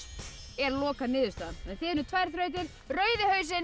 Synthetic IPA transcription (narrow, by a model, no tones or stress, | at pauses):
ɛɾlɔːkanɪːðʏst̪anɛnθɪnʏt̪ʰvajɾ̥θɾœɥt̪̬ɪn | rœːɥðɪhœɥsɪn